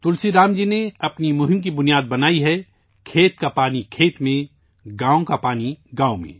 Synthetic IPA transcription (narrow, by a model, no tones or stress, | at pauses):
t̪ʊlsiɾaːmd͡ʒineɐpnimʊɦɪmk̬ibʊnijaːd̪̚bɐnaːiɦɛ | kʰeːt̪kapaːnikʰeːt̪mẽ | ɡaːõkapaːniɡãːomḛ̃ː